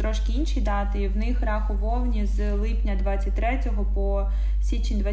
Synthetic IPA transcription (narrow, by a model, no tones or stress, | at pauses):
t̪ɾɔʃkɪinʃʲid̪ɑt̪ɪwnɪxrɑxʊʋɔwnʲiz | lˠɪpnʲɐd̪ʋɑt͡sʲt͡sʲːɐt̚ʲt̪ɾɛtʲɔɦɔpɔ | sʲit͡ʃnʲd̪ʋɑ